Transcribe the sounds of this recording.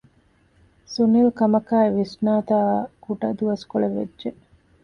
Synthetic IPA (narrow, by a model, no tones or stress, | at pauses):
sunilkɐmɐkaːeʋisnaːt̪aːkuʈɐ̰d̪uɐskoɭeʋḛdʒe